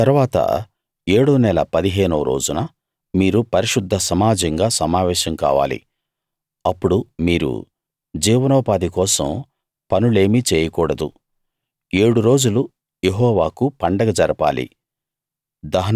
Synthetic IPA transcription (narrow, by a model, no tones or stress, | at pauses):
t̪ɐɾuʋaːt̪ɐ̰ | eːɽunɛlɐ̰pɐd̪iɦeːnuɾo̞̰ːd͡ʒunɐ | miːɾupɐɾiʂud̪ʱːɐsɐmaːd͡ʒɐŋɡaːsɐmaːʋɛːʃɐmka̰ːʋa̰ːlḭ | ɐpːuɽumiːɾṵ | d͡ʒiːʋɐnɔːpaːd̪ikɔːsɐ̰m | pɐnule̞ːmit͡ʃɛːjɐkuːɽɐd̪u | e̞ːɽuɾo̞ːd͡ʒulu | jeɦɔːʋaːkupɐɳɖɐɡɐd͡ʒɐɾɐpa̰ːlḭ | d̪ɐɦɐ